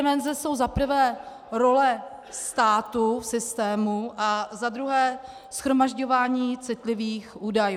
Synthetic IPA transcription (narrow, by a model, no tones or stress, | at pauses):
ɪmɛnzɛso̞wzapr̩vɛː | ɾo̞lɛ | st̪aːt̪ufsɪst̪ɛːmuʔazad̪ɾuɦɛː | sxɾomaʒɟo̞vaːɲiːt͡sɪt̪lɪviːxʔuːdaj